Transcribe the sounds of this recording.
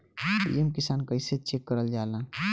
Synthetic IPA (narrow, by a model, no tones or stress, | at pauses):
pḭemkisaːnkəɪset͡ʃekːəɾəld͡ʒaːlãː